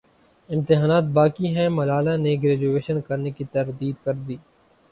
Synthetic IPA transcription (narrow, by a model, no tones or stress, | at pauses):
ɪ̃mt̪ɪɦaːnaːt̪̚baːkiɦɛ̃mɐlaːlaneɡɾɛːd͡ʒueːʃənkɐɾnekit̪ɐɾd̪iːd̪kɐɾd̪iː